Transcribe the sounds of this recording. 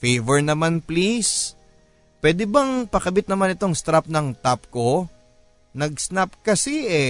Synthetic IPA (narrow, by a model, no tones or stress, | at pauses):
fejvɛɹnɐmanplis | pwɛːd̪ɛbɐŋpɐkɐbɪt̪̚nɐmanɪt̪o̞ŋst̪ɾap̚nɐŋt̪ap̚ko̞ | nɐɡsnap̚kɐsɛʔɛ